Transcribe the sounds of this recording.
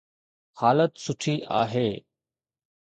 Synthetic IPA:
haːlət̪sʊʈʰiʔa̰ːɦeː

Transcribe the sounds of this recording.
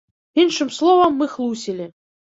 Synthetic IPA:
inʂɨmslˠɔvɐmːɨxlˠusʲilʲɪ

